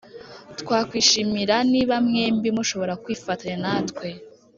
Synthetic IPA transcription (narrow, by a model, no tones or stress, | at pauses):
tkwaːkwiːʃimiɾaniβamŋembimuʃo̞βo̞ɾakwiːfataɲenatkwe̞